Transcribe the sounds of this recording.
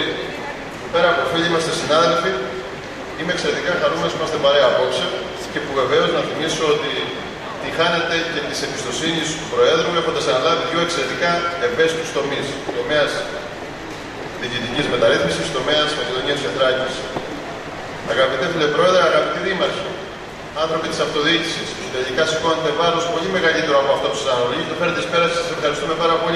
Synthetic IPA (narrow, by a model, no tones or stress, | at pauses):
pe̞ɾɐːpo̞fiʎiimɐst̪esinɐðe̞lfi | ime̞ːkseɾe̞t̪ikɐxɐnumenosimɐst̪epɐɾe̞ɐːpo̞kse | ce̞puve̞ve̞o̞znɐθimisoot̪i | t̪ixɐne̞t̪e̞cet̪i̥sembist̪o̞sinisupɾo̞e̞ðɾuvle̞fo̞nd̪ɐsenɐlɐviðʝo̞e̞kse̞ɾe̞t̪ikɐeve̞si̥t̪ust̪o̞mist̪o̞me̞ɐs | ðicit̪icizme̞t̪ɐɾiθmisist̪o̞meɐzmɐce̞ðo̞niɐt̪sed̪ɾɐcis | ɐɣɐpit̪efilepɾo̞e̞ðɾeɐɣɐpit̪iðimɐçi | ɐnθɾo̞pit̪isɐft̪o̞ðici̥sistosðɐʝikɐsi̥ko̞net̪evɐlospo̞ʎime̞ɣɐlit̪eɾoɐpoɐft̪opu̥sɐnoʎist̪ofe̞net̪espe̞ɾɐssɐse̞fxɐɾist̪ume̞pɐɾɐpo̞li